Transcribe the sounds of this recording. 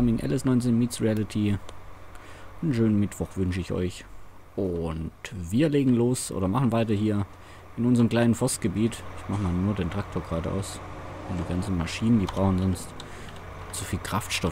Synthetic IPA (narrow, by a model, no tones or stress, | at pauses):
amɪŋʔɛ̰lɛsnɔʏnt͡seːnmiːtsʁialɪtʰi | nʃøːnənmɪtv̥ɔχv̥ʏnʃəɪçɔ̰ʏç | ʔʊntviːɐleːɡŋ̩loːsʔo̰ːdɐmaχn̩vaɪtɐhiːɐ | ʔɪnʔʊnzəʁəmkl̥aɪnənfɔstɡ̥əbiːtʔɪçmaχəmaːlnuːɐdeːntʁ̥ak̚tʰoːɐɡʁaːdəʔa̰ʊsʊnd̥iːɡant͡sn̩maʃiːnəndiːbʁaʊxn̩zɔnst | t͡sufiːlkʁ̥aftʃtɔ